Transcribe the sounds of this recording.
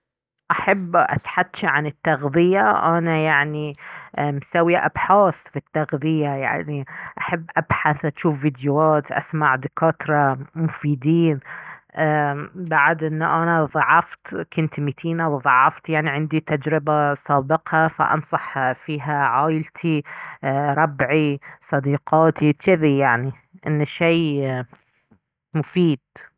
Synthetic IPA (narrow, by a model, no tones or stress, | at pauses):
ʔaħabːʔa̰t̪ħad̪ːʃaʕanɪt̪ːaɣðˤɪjaʔanajaʕni | msawːiʔa̰bħaːθfit̪ːaɣðˤɪjaja̰ʕniʔaħabːʔabħaθʔaʃuːfvid̪juaːt̪ʔa̰smaʕd̪ɪkaːt̪ɾˤɑmʊfiːd̪iːnʔbaʕd̪ʔɪnːuʔanaðˤɑʕːɑft̪kʊnt̪mit̪ʰiːnawðˤɑʕːɑft̪jaʕniʕɪnd̪it̪ad͡ʒɾɪbasˤaːbɪqhafa̰ʔɑ̰nsˤɑħfiːɦaʕaːjɪlt̪ʰi | ɾˤɑbʕisˤɑd̪iːqɑːt̪it͡ʃɪðijaʕni | ʔɪnːʃeː | mʊfiːd̪̥